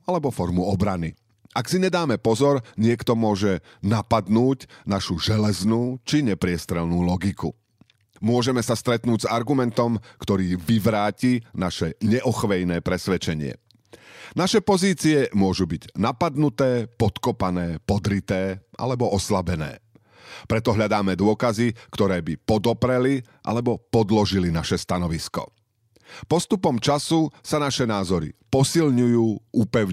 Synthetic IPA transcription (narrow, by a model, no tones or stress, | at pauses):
alɛbɔfɔɾmuɔbɾani | ʔaksiɲɛd̪aːmɛpɔzɔɾɲɪɛkt̪ɔmʊɔʒɛ | napad̪nuːɟnaʃuʒɛlɛznuːt͡ʃiɲɛpɾɪɛst̪ɾɛlnuːlɔɡikṵ | mʊɔʒɛmɛsast̪ɾɛt̪nuːɟzaɾɡumɛnt̪ɔmkt̪ɔɾiːʋiʋɾaːcinaʃɛɲɛʔɔxʋɛjnɛːpɾɛsʋɛt͡ʃɛɲɪɛ̰ | naʃɛpɔziːt͡siɛmʊɔʒubiɟnapad̪nut̪ɛːpɔt̪kɔpanɛːpɔd̪ɾit̪ɛːʔa̰lɛbɔʔɔslabɛnɛ̰ː | pɾɛt̪ɔɦʎad̪aːmɛd̪ʊɔkazikt̪ɔɾɛːbipɔd̪ɔpɾɛli | ʔa̰lɛbɔpɔd̪lɔʒilinaʃɛst̪anɔʋiskɔ̰ | pɔst̪upɔmt͡ʃasusanaʃɛnaːzɔɾḭpɔsilɲujuːʔupɛʊ